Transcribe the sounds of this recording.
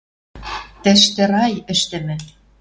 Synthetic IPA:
t̪ɘ̆ʃt̪ɘ̆ɾɑjɘ̆ʃt̪ɘ̆mɘ̆

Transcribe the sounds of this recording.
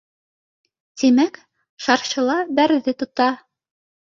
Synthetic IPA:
t̪imæk | ʃɑɾɕɤ̆lˠɑbæɾðɘt̪ŏt̪ɑ

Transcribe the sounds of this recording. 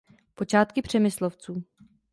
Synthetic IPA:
po̞t͡ʃaːt̪kɪpr̝̥ɛmɪsloft͡suː

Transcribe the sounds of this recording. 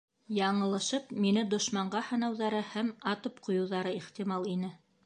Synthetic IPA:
jɑɴɤ̆lˠɤ̆ʃɤpminɘd̪ŏʃmɑɴɢɑhɤ̆nɑwðɑɾɤhæmɑt̪ɤpqŏjɤ̆wðɑɾɤiχt̪imɑlˠinɘ

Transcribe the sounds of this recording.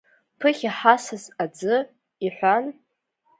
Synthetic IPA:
pʰɨχʲaħasɨzad͡zɨ | iħʷan

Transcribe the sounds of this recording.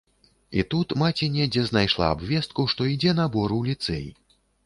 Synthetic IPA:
it̪ut̪mat͡sʲinʲɛd͡zʲɛznajʂlˠa̰ːbvʲɛst̪̚kuʂt̪ɔid͡zʲɛnɐbɔɾuwlʲit̪sɛjḭ

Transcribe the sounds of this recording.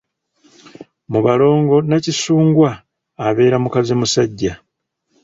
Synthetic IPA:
muβalo̞ːŋɡo̞nacisuːŋɡwaː | βe̞ːɾamukazimusaɟːa

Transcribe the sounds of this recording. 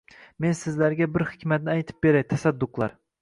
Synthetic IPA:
mensɪzlæɾɡʲabɪɾhɪkʲmæt̪̚nɪajt̪ʰɪ̥p̚beɾɛjt̪ʰæsad̪ːʊqlˠɑ̰ɾ

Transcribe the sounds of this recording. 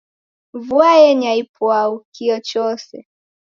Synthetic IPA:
vuajɛɲaipwaukiɔt͡ʃɔsɛ

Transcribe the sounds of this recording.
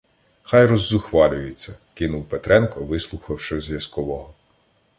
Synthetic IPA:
xɑjɾɔzːʊxʋɑlʲʊjɪt͡sʲːɐkɪnuwpet̪ɾɛnkɔʋɪslˠʊxɐwʃɪzʲʋʲjɐskɔʋɔɦɔ

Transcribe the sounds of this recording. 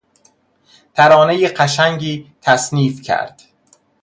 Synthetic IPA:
t̪ʰæɾɒːnejeɢæʃæŋɟiːt̪ʰæsniːfcʰæ̰ɾd̪̥

